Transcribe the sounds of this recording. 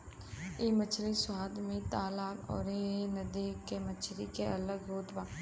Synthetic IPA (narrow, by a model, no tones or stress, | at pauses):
iːmət͡ʃʰɾiswaːd̪mẽt̪aːlaːkɔ̰ːɾenəd̪iːkemət͡ʃʰɾikeɐləɡɦoːt̪bãː